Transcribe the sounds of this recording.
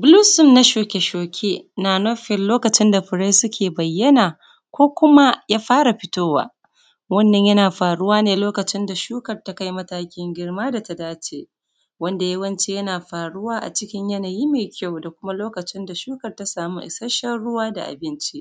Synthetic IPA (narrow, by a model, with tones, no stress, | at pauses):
bʊ˦luː˦sʊ˦mna˦ʃoː˨kʲe˨ʃoː˨kʲʰe˦naː˨no˦ɸɪ˨lloː˦kɐ˨t͡ʃɪ˦nda˨ɸɪ˨ɽa˦jsʊ˦kʲʰeː˨bɐ˨jːɐ˦naː˨ | kʷoː˦kʷʊ˦ma˦jaː˦ɸaː˦ɽa˨ɸɪ˦toː˦wa̰ː˦ | wɐ˦nːɐ˨ɲjɐ˦naː˨ɸaː˨ɽʊ˦waː˦neː˨loː˦kɐ˨t͡ʃɪ˦nda˨ʃuː˦kɐ˨rta˦ka˦jmɐ˦taː˦kʲɪ˦ŋɡʲɪ˦rmaː˦da˨ta˨daː˦t͡ʃeː˦ | wɐ˦nda˨jɐ˦wɐ˦nt͡ʃe˦jɐ˦naː˨ɸaː˨ɽʊ˦waː˦ʔa̰˨t͡ʃɪ˦kʲɪ˦ɲjɐ˦naː˨jiː˦meː˨kʲa˦˨wda˨kʷʊ˦ma˦loː˦kɐ˨t͡ʃɪ˦nda˨ʃuː˦kɐ˨rta˦saː˨mu˦ʔɪ̰˨sɐ˦ʃɐ˦ɽʊ˦waː˦da̰˨ʔa̰˨bɪ˦nt͡ʃi˦ʔ